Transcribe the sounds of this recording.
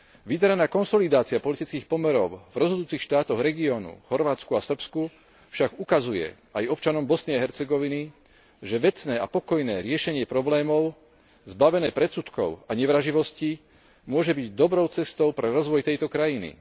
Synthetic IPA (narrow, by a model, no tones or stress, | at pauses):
ʋid̪ɛɾanaːkɔnsɔlid̪aːt͡siapɔlit̪it͡skiːxpɔmɛɾɔʊvɾɔzɦɔd̪uːt͡sixʃt̪aːt̪ɔɣɾɛɡiɔːnṵxɔɾʋaːt͡skuasr̩psku | fʃaɡukazujɛ̰ | ajɔpt͡ʃanɔmbɔsnɪaɦɛɾt͡sɛɡɔʋini | ʒɛʋɛt͡snɛːapɔkɔjnɛːɾɪɛʃɛɲɪɛpɾɔblɛːmɔʊ | zbaʋɛnɛːpɾɛt͡sut̪kɔ̰ʊaɲɛʋɾaʒiʋɔsci | mʊɔʒɛbiɟd̪ɔbɾɔʊt͡sɛst̪ɔʊpɾɛɾɔzʋɔjt̪ɛjt̪ɔkɾajinḭ